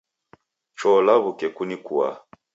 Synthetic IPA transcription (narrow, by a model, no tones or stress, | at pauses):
t͡ʃɔlaβukɛkunikua̰